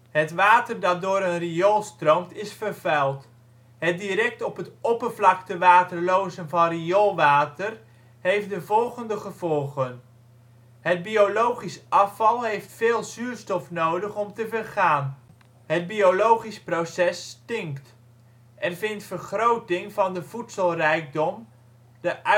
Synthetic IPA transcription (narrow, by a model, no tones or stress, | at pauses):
ɦətʋaːtərdɑt̚dʊːɾənriɔlˠstrowmtɪsfərvɛlˠt | ɦədiɾɛk̚tɔpɦətɔpərvlɑktəʋaːtəɹlowzənvɑnriɔlˠʋaːtər | ɦejf̚dəvɔlˠχəndəχəvɔlˠχən | ɦəd̚biolowχisʔɑfɑlˠɦejftfeːlˠzyːɹstɔfnowdəχɔmtəvərχaːn | ɦəd̚biolowχisprowsɛstɪŋpt | ʔɛnvɪntfərχrowtɪŋvɑndəv̥utsəlˠrɛjk̚dɔm | dəʔœ